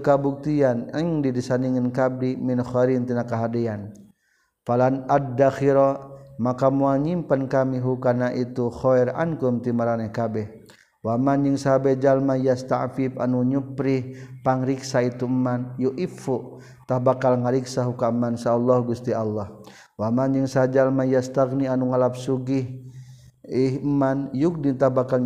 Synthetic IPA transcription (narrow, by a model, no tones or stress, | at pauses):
kabuk̚t̪ianəŋdidisaniŋənkab̚diminxɔɾint̪inakaɦadɛan | falanaddːaxiɾɔmakamuaɲimpankamiɦukanaʔit̪uxɔɛɾa̰nkumt̪imaɾanɛhkabɛh | wamanjəŋsabɛd͡ʒalmajast̪a̰ʔfipa̰nuɲupɾihpaŋɾiksait̪umːanjuʔifuʔ | t̪ahbakalŋaɾiksaɦukamːansaːlːɔhɡust̪ialːɔh | wamanjəŋsad͡ʒalmajast̪aɡnianuŋalap̚suɡih | ihəmanjuk̚nit̪ahbakal